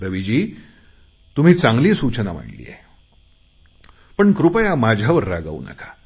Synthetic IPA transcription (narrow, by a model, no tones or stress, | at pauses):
ɾəʋid͡ʑiː | t̪um̤iːt͡sãŋɡliːsut͡ɕənam̤a̰ɽlḭːjḛ | pəɳkɾupəjamad͡ʑʱaʋəɾːaɡa̰ṵna̰kʰḁ